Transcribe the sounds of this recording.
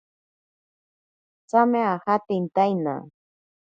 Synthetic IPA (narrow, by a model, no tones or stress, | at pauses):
t͡sameaxat̪ɪnt̪ajna̰